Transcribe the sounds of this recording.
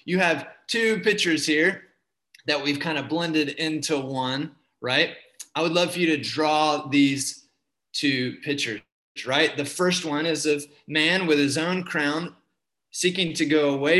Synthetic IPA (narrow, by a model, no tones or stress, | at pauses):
jɨːv̥tʰʉpɪk̚t͡ʃə˞z̥hiɹ | ðɨt̚wiv̥kʰãɪ̃ndɨblɛ̃ndɨɾɪ̃ntʰuwʌ̃n | ɹaɪt̚aɪwədˡlʌv̥fə˞jɨɾɨdɹɔðiz̥ | tʰʉpʰɪk̚t͡ʃə˞ | zɹaɪt̪̚ðɨfɜ˞st̚wʌ̃nɪzʌv | mæ̃nwɨð̥ɨzõʊ̃nkʰɹ̥ãʊ̃n | sikɪ̃ŋtʰɨɡoʊəweɪ